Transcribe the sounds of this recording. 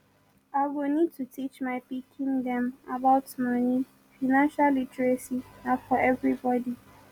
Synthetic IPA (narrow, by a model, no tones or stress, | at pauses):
aɡonĩd̚tʰutʰit͡ʃmaɪpikʰĩŋdɛ̃mabaʊtmani | fanãnʃalːitɹasinafɔʔɛvɹibɔdi